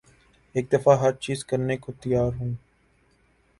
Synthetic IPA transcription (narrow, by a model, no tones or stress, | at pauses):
eːk̚d̪əfaːɦəɾt͡ʃiːzkəɾneːkoːt̪ɪjaːɾɦũː